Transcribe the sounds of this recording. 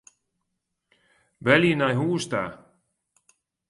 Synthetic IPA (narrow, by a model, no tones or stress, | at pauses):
ʋælinajɦuːst̪a̰ː